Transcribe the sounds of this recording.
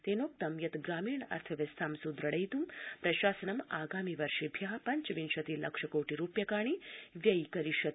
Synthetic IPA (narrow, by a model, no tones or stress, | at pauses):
t̪enoːk̚t̪ɐmjɐt̪ɡɾaːmiːɳɐ̰ɾt̪ʰɐʋɐst̪ʰaːmsud̪ɾəɽɐjt̪umpɾɐʃaːsənɐmaːɡaːmiʋɐɾʃebʱjaːɦpɐɲt͡ʃʋinʃɐt̪ilɐ̰kʂɐkoːʈiɾuːpjɐkaːɳ̃iʋjɐjkɐɾiʃɐt̪